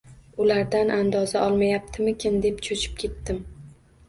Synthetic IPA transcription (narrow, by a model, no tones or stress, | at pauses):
ʊlaɾd̪anʔand̪ɒzaʔɒlˠmajap̚t̪ʰɪmɪkʲʰɪnd̪e̞pt͡ʃʰot͡ʃʰɪ̥p̚kʲʰe̞t̪ːɪm